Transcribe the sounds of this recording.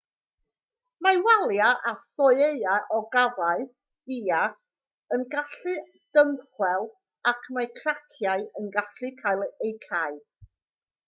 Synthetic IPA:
mawalˠjaʔaθɔɨejaʔɔɡavaɨ̥ | iːa | ənɡaɬɨ | d̥əmχwɛlˠ | akʰmakʰrakʰjaɨənɡaɬɨkʰajlˠejkʰaɨ

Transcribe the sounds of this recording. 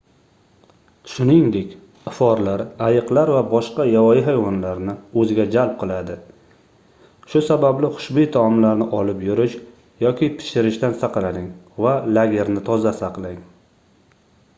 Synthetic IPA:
ʃʊnɪŋd̪e̞kʲ | ɪfɒɾlaɾajɨqlaɾvabɒʃqɑjawɒjɪɦajwɒnlaɾnɪɵzɪɡʲad͡ʒalˠp̚qʰɨlˠad̪ɪ | ʃʊsabablɪχʊ̥ʃbijt̪ʰɒɒmlaɾnɪʔɒlɪpjʊɾɪʃ | jɒkʲʰɪpʰɪ̥ʃɪɾɪʃt̪ansaqlaɾɪŋ | valaɡʲe̞ɾnɪt̪ʰɒzasaqlaŋ

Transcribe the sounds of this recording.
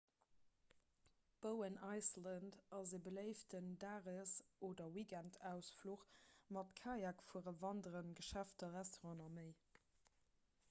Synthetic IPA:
b̥əʊənɑɪsləndɑzeːbələɪftəndaːʁəsoːdɐwiɡæntʰæʊsfluχmɑtkʰaːjakfuəʁəvɑndəʁənɡəʃæftɐʁæstoʁɑ̃nɑməɪ

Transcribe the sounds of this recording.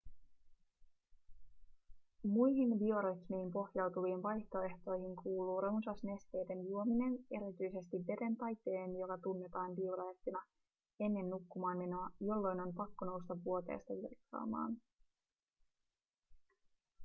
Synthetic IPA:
mujɦinʋio̞ɾot̪miimpo̞hjɑwt̪uʋiːnʋɑjht̪o̞e̞ht̪o̞jhiŋkʰuːluːɾounsɑsne̞st̪e̞ːde̞njuo̞mine̞ne̞ɾit̪yjse̞st̪iʋːe̞de̞nt̪ɑjt̪ːe̞ːnjo̞kɑt̪unːe̞t̪ɑːnʋiuɾɑeht̪ːinɑ | e̞nːe̞nːukːumɑːnme̞no̞ɑjo̞lːo̞jno̞nmpɑkːono̞wst̪ɑʋːuo̞t̪e̞̰ːst̪ɑʋirkːɑ̰ːmɑ̰ːn

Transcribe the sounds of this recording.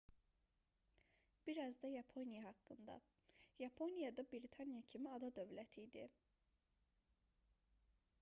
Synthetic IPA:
b̥iɾɑzd̪ɑjɑpʰo̞nijɑɦɑkːɯnd̪ɑ̰ | jɑpʰo̞nijɑd̪ɑbiɾit̪ʰɑnijɑcʰimiɑd̪ɑd̪ø̞vlæt̪ʰid̪i

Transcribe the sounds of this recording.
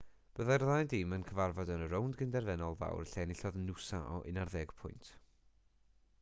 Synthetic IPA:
b̥əðajrðajdɪmənkʰəvarvɔdənəɾowndɡɪndɛrvɛnɔlˠða̰wrəɬɛnɪɬɔðnusaʔɔ̰ʔɪ̰narðɛɡ̥pʰʊjntʰ

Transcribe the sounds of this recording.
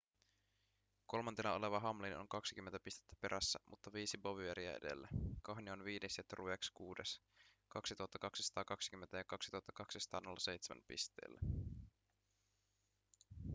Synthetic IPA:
ko̞lmɑnt̪inɑo̞le̞ʋɑɦɑmlino̞̰ŋkɑksik̟ymːent̪æpist̪et̪ːæ̥pe̞ɾʔæsːæmʔut̪ːɑʋiːsiboʋyeɾiæ̰ḛde̞̰lːækɑhnio̞nʋiːneset̪ːruekskuːdeskɑksit̪uɑt̪ːɑkɑksi̥sɑ̥t̪ɑːkɑksik̟ymːent̪æjɑkɑksit̪uɑt̪ːɑkɑksisɑ̥t̪ɑ̰ːnolːɑse̞jt̪semʔæ̰mpḭst̪ḛːlːæ

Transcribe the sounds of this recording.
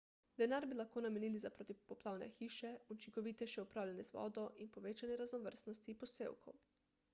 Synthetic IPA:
d̪ɛnaːɾbilaxkoːnameniːlizapɾoːt̪ipɔplaːwnɛ̰xiːʃɛut͡ʃiŋkɔʋit̪ɛʃɛupɾaːwlʲanɛzʋɔ̰d̪ɔʔinpoʋeːt͡ʃanɛɾaznɔʋəɾsnɔst̪ipɔsḛːwkʰo̰w

